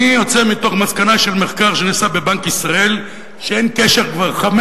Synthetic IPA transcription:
ijot͡semit̪o̞χmaskanaʃelme̞χkaʁʃe̞nisabe̞bankisʁae̞l | ʃeenkeʃe̞ʁkvaʁχam

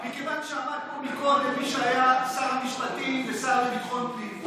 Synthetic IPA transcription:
mikevanʃeamad̪̚pomikodlemiʃeajasaʁmiʃpat̪ivesaemifonti

